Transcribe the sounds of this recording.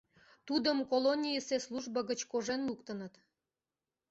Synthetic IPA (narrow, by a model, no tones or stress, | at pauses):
t̪ud̪əmkolonʲijəsesluʒbəɣət͡ɕkoʒenlukt̪ənət̪